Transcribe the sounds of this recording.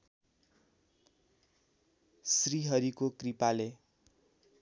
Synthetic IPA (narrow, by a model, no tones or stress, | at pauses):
sriɦʌɾikokripale